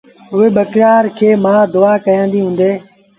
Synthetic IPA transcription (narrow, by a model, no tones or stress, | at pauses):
ʊeːɓəkɾaːɾkʰeːmãːd̪ʊaːkəjãːnd̪iːɦũːnd̪eː